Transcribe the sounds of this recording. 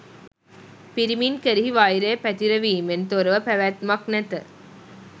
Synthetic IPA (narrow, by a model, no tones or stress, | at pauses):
piɾiminkeɾiɦiʋaːjiɾeːpæt̪iɾɐʋiːment̪oɾɐʋɐpæʋæt̪mɐk̚nɐt̪ɨ